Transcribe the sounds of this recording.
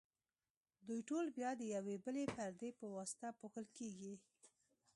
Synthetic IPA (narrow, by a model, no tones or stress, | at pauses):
d̪ujʈolbjɑd̪əjawebəlepaɾd̪epəwɑsɪ̥t̪apoxəlkeɡi